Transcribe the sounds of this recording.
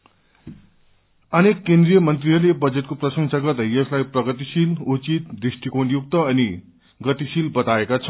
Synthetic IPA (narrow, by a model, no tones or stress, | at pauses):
ʌnekːend̪rijʌmʌnt̪riɦʌɾlebʌd͡zet̪̚koprʌsʌŋsaɡʌt̪ʌjesʰlajprʌɡʌt̪isilut͡sit̪̚d̪risʈikonjuk̚t̪ʌʌni | ɡʌt̪isilbʌt̪aekat͡sʰʌ